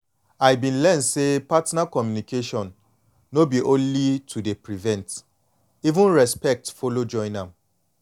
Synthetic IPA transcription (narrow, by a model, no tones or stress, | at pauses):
ajbĩnlɛ̃nsepatnakɔmjunikeʃɔ̃nː | obiʔõnlitʰudepɹivɛ̃nt | ivũnɹɛspɛk̚tfolod͡ʒɔ̃ɪ̃nãm